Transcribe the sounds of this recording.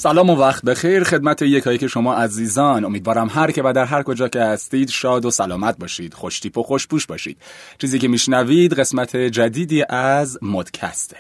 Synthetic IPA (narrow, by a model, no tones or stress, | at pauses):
sælɒːmovæχt̪̚be̞xejɾxe̞d̪̚mæt̪ʰejecʰhɒːjecʰe̞ʃo̞mɒːʔæziːzɒːno̞mid̪vɒːɾæmɦæɾcʰe̞væd̪æɾɦæɾko̞d͡ʒɒːce̞hæst̪iːd̪ʃɒːd̪osælɒːmæt̪̚bɒːʃiːd̪̥xoʃt̪iːpʰoxoʃbuːʃbɒːʃḭːd̪̥ | t͡ʃʰiːziːke̞miːʃnæviːd̪ɢe̞smæt̪ʰe̞d͡ʒæd̪iːd̪iːʔæzmod̪̥cʰæ̰st̪ʰe